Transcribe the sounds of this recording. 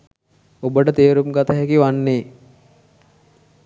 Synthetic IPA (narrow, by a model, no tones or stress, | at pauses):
obəʈət̪eːɾumɡat̪əɦɛkiʋanːeː